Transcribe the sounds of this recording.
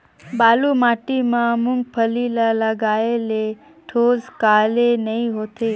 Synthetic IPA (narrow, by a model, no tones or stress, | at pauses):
balumaʈimãmuŋɡpʰəlilaləɡaele | ʈʰozkalenəĩɦot̪e